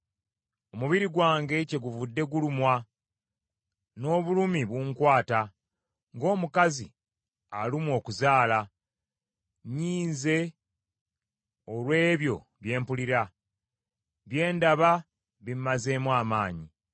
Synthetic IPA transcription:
o̞muβiɾiɡwaːŋɡe̞ce̞ɡuvudːe̞ɡulumwa | no̞ːβulumiβuːŋkwaːta | ŋɡo̞ːmukazi | alimwo̞ːkuzaːla | ɲiːnze̞ | olwe̞ːβjo̞̰ | βje̞ːmpuliɾa | βje̞ːndaβa | βimmaze̞ːmwaːmaːɲi

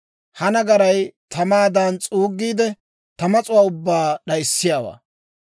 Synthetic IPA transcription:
hɐnɐɡɐɾɐjt̪ɐmaːd̪ant͡sʼuːɡːiːd̪ɛ | t̪ɐmɐt͡sʼʊwaːʊbːaːɗɐjɪsːɪjaːwa̰ː

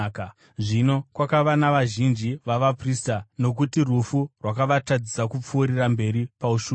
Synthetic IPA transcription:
ka | ʐino̞kwakaʋanaʋaʒind͡ʒiʋaʋapristano̞k̬utirufurwakaʋatad͡zisakup͡fuːɾirambe̞ɾipauʃu

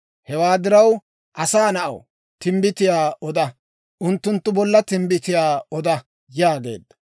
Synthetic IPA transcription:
hɛwaːd̪ɪɾɐw | ʔɐsaːnɐʔɐ̰w | t̪ɪmbɪt̪ɪjaːɔd̪ɐ | ʔʊnt̪ːʊnt̪ːʊbɔlːɐt̪ɪmbɪt̪ɪjaːɔd̪ɐ | jaːɡe̞̰ːd̪ːɐ̥

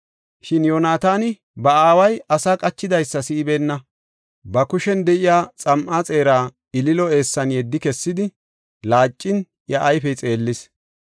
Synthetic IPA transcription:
ʃɪnjoːnaːt̪aːnɪ | bɐaːwɐjʔɐsaːkʼɐt͡ʃːɪd̪ɐjsːɐsɪɪbe̞ːnːɐ | bɐkʊʃɛnd̪ɛʔɪjaːt͡sʼɐmʔaːt͡sʼe̞ːɾaː | ɪlɪlɔe̞ːsːɐnjɛd̪ːɪkɛsːɪd̪ɪ | laːt͡ʃʼːɪn | jɐʔːjfɛt͡sʼe̞ːlːɪs

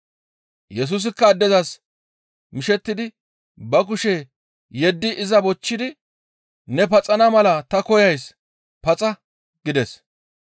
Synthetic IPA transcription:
jɛs̬uːs̬ɪkːɐːd̪ːɛzɐs | mɪʃɛt̪ːɪd̪ɪ | bɐkʊʃɛ | jɛd̪ːɪʔɪzɐbɔt͡ʃːɪd̪ɪ | nɛp̬ɐt͡sʼɐnɐmɐlɐt̪ɐkɔjɐjs | pɐt͡sʼɐ | ɡ̥ɪd̪ɛs

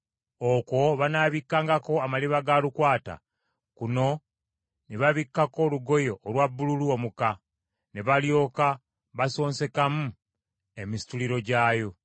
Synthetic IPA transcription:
oko̞βanaːβikːaːŋɡako̞amaliβaɡalukwaːta̰ | kuno̞ | neβaβikːako̞luɡo̞jo̞ʔːlwabːululuomuka | neβaljo̞ːka | βaso̞ːnse̞kamu | e̞misi̥tuliɾo̞ɟaːjo̞

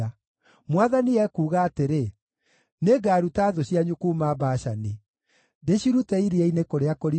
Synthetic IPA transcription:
a | mwaðaniɛkuːɣaːteɾe | neɡaːɾutaðoɕiaɲukumabaːɕani | deɕiɾutɛiɾiɛinekoɾeakoɾi

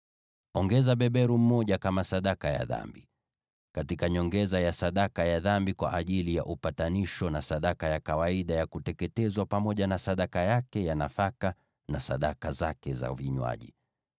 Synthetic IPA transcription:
ɔŋɡɛzaɓɛɓɛɾum̩mɔʄakamasaɗakaja̰ða̰mbi | katikaɲɔŋɡɛzajasaɗakajaðambikwa̰ʔaʄilija̰ʔupataniʃɔnasaɗakajakawaiɗajakutɛkɛtɛzwapamɔʄanasaɗakajakɛjanafaka | nasa̰ɗakazakɛza̰viɲwa̰ʄḭ

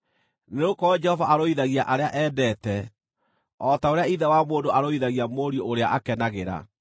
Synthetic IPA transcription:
neokɔɔd͡ʒɛhɔvaʔaɾoiðaɣiaʔaɾeaʔɛːbɛːtɛ | ɔtaoɾeaiðɛwamoːndoʔaɾoiðaɣiamoːɾiooɾeaʔakɛnaɣeɾa̰

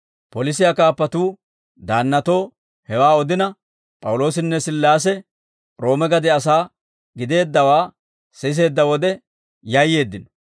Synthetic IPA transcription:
pɔlɪs̬ɪjakaːpːɐt̪uː | d̪aːnːɐt̪o̞ː | hɛwaːɔd̪ɪnɐ | pʼɐwʊlo̞ːs̬ɪnːɛsɪlːaːs̬ɛ | ɾo̞ːmɛɡɐd̪ɛɐsaː | ɡɪd̪e̞ːd̪ːɐwaː | sɛs̬e̞ːd̪ːɐwɔd̪ɛ | jɐjːe̞ːd̪ːɪnɔ̥

